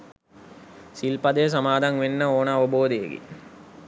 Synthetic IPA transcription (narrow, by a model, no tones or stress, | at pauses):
silpɐd̪əjəs̬amaːd̪aŋʋenːəoːnəaʋəboːd̪ejḛɡḛ